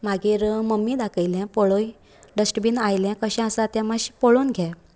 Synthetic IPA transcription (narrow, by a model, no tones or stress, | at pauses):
maɡiːɾməmːid̪akʰəjljɛ̃poɭoj | ɖəsʈbiːnajljɛ̃kəɕɛ̃əsat̪ɛ̃maɕpoɭonɡʱja